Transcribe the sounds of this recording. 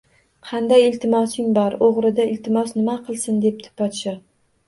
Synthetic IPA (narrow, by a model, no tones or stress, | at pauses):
qʰɑnd̪ajɪlt̪ʰɪmɒsɪŋbɒɾoʁɾɪd̪aɪlt̪ʰɪmɒsnɪmaqʰɨlˠsɪnd̪e̞p̚t̪ʰɪ̥pɒt̪ʃɪ